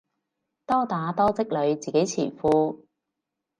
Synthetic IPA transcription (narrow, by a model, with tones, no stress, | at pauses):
t̪ɔː˥t̪aː˨˥t̪ɔː˥t͡sɪ˥k̚lɵ˨˧ɥt͡siː˨ke˨˥jt͡sʰḭː˨˩fuː˧